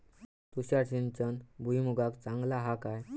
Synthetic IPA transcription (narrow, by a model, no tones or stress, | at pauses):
t̪uɕjaʈɕint͡sənbʱuimuɡakt͡saŋɡlaɦakaj